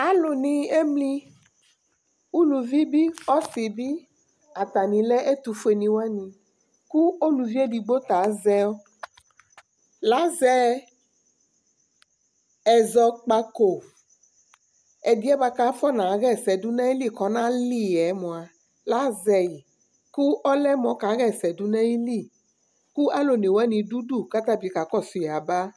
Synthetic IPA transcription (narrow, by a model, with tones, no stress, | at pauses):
a˦lo˨nĩ˨e˦mlĩ˦ | u˦lu˨vi˦bi˦ɔ˦si˨bi˦ | a˨t̪a˨nĩ˨lɛ˦ʔe˦t̪u˨fe˨nĩ˨wa˦nĩ˨ | ku˦o˦lu˨vi˦e˦di˨ɡ͡bo˦t̪a˨˦zɛ˦o˦ | la˦zɛ˦ | ɛ˨zɔ˨k͡pa˧ko˨ | ɛ˨di˦ɛ˦ba˧ka˦fɔ˦nã˨˦ɣɛ˦˨sɛ˨du˦nã˦ji˦li˦˨kɔ˦nã˦li˦˨ɛ˨˦mɔ̃˨a˨ | la˨˦zɛ˨ji˨ | ku˦ʔɔ˦lɛ˦mɔ̃˨˦ka˨˦ɣɛ˦˨sɛ˨du˦nɛ̃˦ji˦li˦˨ | ku˦a˦lo˨ne˨wɛ˦nĩ˧du˦du˦˨ka˦t̪a˦˨bi˨˦ka˨˦kɔ˦˨su˨a˨ba˦